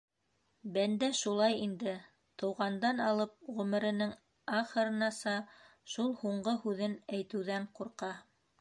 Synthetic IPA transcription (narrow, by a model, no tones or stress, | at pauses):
bænd̪æʃulˠɑjind̪ɘ | t̪ɤ̆wʁɑnd̪ɑnɑlˠɤp̚ʁɵ̆mɘ̆ɾɘ̆nɘŋ | ɑχɤ̆ɾɤ̆nɑsɑʃulˠhuɴɢɤhʉðɘnæjt̪ɘ̆wðæɴquɾqɑ